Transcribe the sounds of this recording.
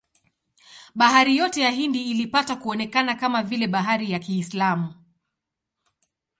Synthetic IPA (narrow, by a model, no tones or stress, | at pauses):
ɓaɦaɾijɔtɛjaɦindiːlipatakuɔnɛkanakamavilɛɓaɦaɾijakiːslamu